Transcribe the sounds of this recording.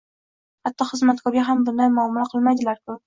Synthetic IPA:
hat̪ːɒχɨzmat̪kʰɒɾʲaɦambʊnamamʊlaqʰɨlˠmajd̪ɪlaɾkʰʊ

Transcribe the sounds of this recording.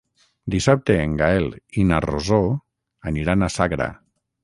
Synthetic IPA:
d̪isap̚t̪eːŋɡaelinarozo | aniɾanasaɣɾa̰

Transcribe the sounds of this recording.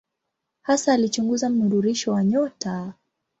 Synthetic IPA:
hasaːlit͡ʃuŋɡuzam̩nuɾuɾiʃɔwaɲɔta

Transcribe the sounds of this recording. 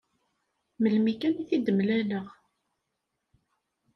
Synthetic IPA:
məlmikæniθid̪əmlæləʁ

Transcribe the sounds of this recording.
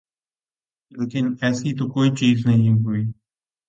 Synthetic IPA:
leːkɪnɛːsiːt̪oːkoːiːt͡ʃiːznəɦĩːɦʊiː

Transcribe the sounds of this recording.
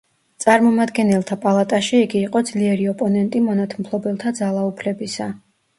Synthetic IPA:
t̪sʼaɾmɔmad̪ɡɛnɛlˠt̪ʰapʼalˠat̪ʼaʃiiɡiːqʼɔd̪zliɛɾiɔpʼɔnɛnt̪ʼimɔnat̪ʰmpʰlˠɔbɛlˠt̪ʰad̪zalˠaupʰlɛbisa

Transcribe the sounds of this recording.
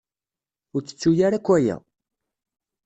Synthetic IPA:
ʊɾt͡sːə̥t͡sːujaɾækʷːæjæ̰

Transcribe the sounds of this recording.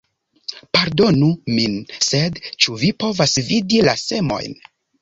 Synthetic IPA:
paɾdo̞numinse̞dt͡ʃuvipo̞vasvidilase̞mo̞̰jn

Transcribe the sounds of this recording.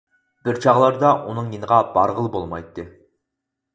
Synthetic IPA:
b̥ɪɾt͡ʃʰɑʁlˠɑɾd̪ɑʔunɨŋjinəʁɑbɑɾʁəlˠbolˠmɑ̰jt̪ːɨ

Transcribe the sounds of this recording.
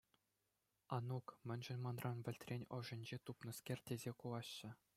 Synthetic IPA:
ɑnukmʲɘ̆nʲʐɘ̆nʲmɑnrɑnʋʲɘ̆lʲtʲrʲenʲɤ̆ʐɘ̆nʲd͡ʑet̪upnɤ̆skʲerʲtʲezʲekulˠɑɕːɘ̆

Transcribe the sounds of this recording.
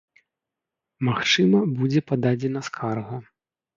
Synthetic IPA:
maxt͡ʂɨmɐbud͡zʲɛpad̪ad͡zʲɛnɐskʰarɣɐ

